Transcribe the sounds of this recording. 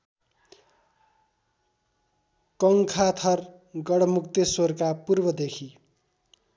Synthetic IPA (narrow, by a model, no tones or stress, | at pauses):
kʌŋkʰat̪ʰʌr | ɡʌɽʌmukt̪ʌsorkapurbʌd̪ekʰi